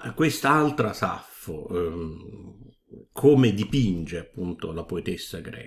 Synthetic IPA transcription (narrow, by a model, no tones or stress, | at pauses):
kwest̪aalt̪ɾasa̰fːo | kʰoːmed̪ipind͡ʒeapːunt̪olapoet̪esːaɡɾɛ̰ː